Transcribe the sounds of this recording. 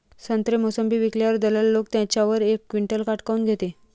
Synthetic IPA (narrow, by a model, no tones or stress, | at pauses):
sənt̪ɾemosəmbiːʋikljaɾd̪ələlːokt̪jãt͡ɕjaʋəɾekːʋiɳʈəlkaʈkaunɡʱet̪e